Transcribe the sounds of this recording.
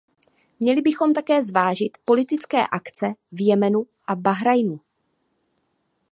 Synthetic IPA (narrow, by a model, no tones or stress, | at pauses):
mɲɛlɪbɪxo̞mt̪akɛːzvaːʒɪt̪po̞lɪt̪ɪt͡skɛ̰ːʔakt͡sɛvjɛmɛnu | ʔabaɦɾajnu